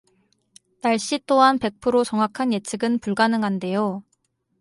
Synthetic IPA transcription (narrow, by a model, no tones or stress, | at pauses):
naɭɕ͈it͈oɦanpe̞k̚pʰɯɾot͡ɕʌŋɦakʰanjet͡ɕʰɯɡɯnpuɭɡanɯŋɦande̞jo